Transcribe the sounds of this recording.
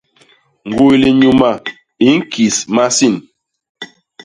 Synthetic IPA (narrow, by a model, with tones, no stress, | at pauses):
ŋ̩˨ɡo˦le˨ɲu˦ma˦˨ | i˨˦ŋ̩˦kʰi˨sma˦si˦˨n